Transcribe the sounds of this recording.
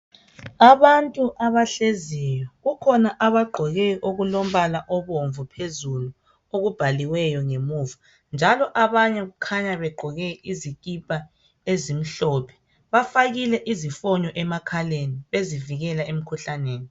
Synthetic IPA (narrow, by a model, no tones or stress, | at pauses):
aβantʼuʔaβaɬezɛjɔɣukʰɔnaʔaβaɡ͡ǃʱɔɣɛʔoɣulom̩βalaʔɔβoɱvupʰezulu | oɣub̥ʱaliwɛjɔŋemuvu | nd͡ʒʱalɔʔaβaɲɛɣukʰaɲaβɛɡ͡ǃʱɔɣɛiziɣ̬ʼipʼa | ezim̩ɬɔːpʰɛ̥ | βafaɣilɛʔizifɔɲɔʔɛmakʰaleniβeziviɣɛlaem̩kʰuɬaneːni